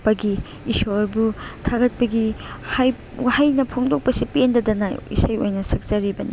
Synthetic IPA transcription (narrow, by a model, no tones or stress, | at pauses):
pɐɡi | isoɾbutʰaɡɐt̚pɐɡihaj | wahajnɐpʰoŋdok̚pɐsipendɐdɐna̰ḭsajo̰jnɐsɐk̚zɐɾibɐnḭ